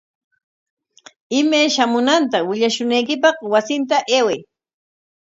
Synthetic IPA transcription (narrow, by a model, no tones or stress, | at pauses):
ɪmajʃamʊnant̪awɪʎaʃʊnajkɪpɑχwasɪnt̪aʔeːwej